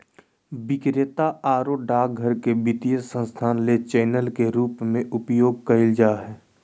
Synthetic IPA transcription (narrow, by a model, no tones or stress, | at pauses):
bɪkɾet̪aaːɾoɖaːk̚ɡʱəɾkebɪt̪ijəsə̃nst̪ʰaːnlet͡ʃɛːnəlkeɾuːpmẽʔʊpjoːɡ̚kəɪld͡ʒaːɦɛː